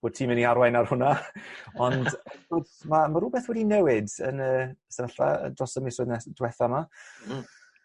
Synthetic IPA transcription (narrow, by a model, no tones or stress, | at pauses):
b̥oːd̚tʰiːmɪniaɾwajnarhʊnaɔndoːdmamaɾubɛθwɛdinɛwɪdə̰nəːsɛvaɬa̰ə̰drɔsəmisoːɨðnɛd̥wɛθama